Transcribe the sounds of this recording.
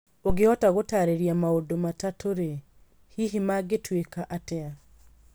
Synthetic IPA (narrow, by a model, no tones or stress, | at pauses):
oɡeɔtaɣotaɾeɾjamaodomatatoɾe | hiɦimaɡetwekaʔatɛa